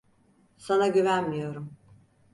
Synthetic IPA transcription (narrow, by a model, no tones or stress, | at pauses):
sanaɟyvænmijo̞ɾum